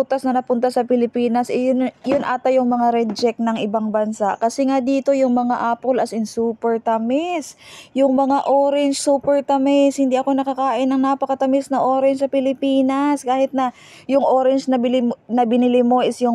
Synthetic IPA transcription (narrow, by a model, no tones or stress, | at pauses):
ut̪ɐsnɐnɐpʊnt̪asɐpɪlɪpiːnɐsʔɛjʊnʔaːt̪ɐjʊŋmɐŋaɾɛd̪̚t͡ʃɛk̚nɐŋʔɪbaŋbɐnsaʔkɐsɛŋad̪iːt̪o̞jʊŋmɐŋaʔaːpo̞lɐsɪnsuːpɛɹt̪amɛsjʊŋmɐŋaʔoːɾɛnt͡ʃsuːpɛɹt̪ɐmɪshɪnd̪iʔɐko̞nɐkɐkaːʔɪnːɐŋnapɐkɐt̪ɐmɪsnɐŋʔo̞ːɾɛnt͡ʃsɐpɪlɪpiːnɐskaːhɪt̪nɐ | jʊŋʔoːɾɛnt͡ʃnɐbɪlɪnɐbɪnɪlɪmo̞ʔɪsjʊŋ